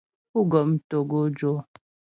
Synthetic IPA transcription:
pu˦ɡɔ˨m˦to˨ɡo˦d͡ʒo˦

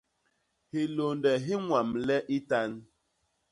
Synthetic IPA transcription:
hi˨lo˨ndɛ˨ɦi˦ŋʷa˨mlɛ˦ʔi˦ta˦n˦

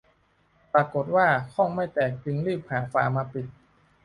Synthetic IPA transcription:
pɾaː˧ko˨˩t̪̚waː˥˩kʰɔ˥˩ŋma˥˩jt̪ɛː˨˩k̚t͡ɕɯ˧ŋɾɯː˥˩p̚haː˩˦fa̰ː˨˦maː˧pi˨˩t̪̚

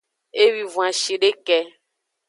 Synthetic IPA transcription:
e˦wi˨vũ˨ã˨ʃi˨ɖe˦kɛ˦

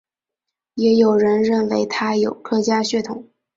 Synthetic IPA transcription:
jɛ˧˥jo˨˩ʊɻə˧˥nɻə˥˩nwe˧˥ɪt̪ʰa˥jo˨˩ʊkʰɤ˥t͡ɕja˥ɕɥɛ˥˩t̪ʰʊ˨˩˦ŋ

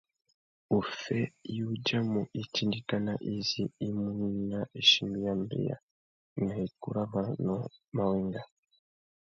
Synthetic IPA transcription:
u˨fe˦juɟa˦mu˨ʔi˨ti˦ndi˦ka˦naʔiziː˦mu˦ni˦naʔe˨ʃimi˦jambḭ˨ja̰˨ | ŋa˨i˨kṵ˦ɾa˦βa˨noma˨wiːŋɡa˨

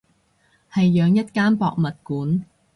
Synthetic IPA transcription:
hɐ˨jːœː˨˧ŋjɐ˥t̚kaː˥npɔ̰ː˨k̚mɐ˨t̚kuː˨˥n

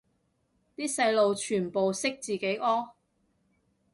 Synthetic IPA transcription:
t̪iː˥sɐ˧jlo˨wt͡ʃʰyː˨˩npo˨wsɪ˥k̚t͡siː˨ke˨˥jʔɔː˥

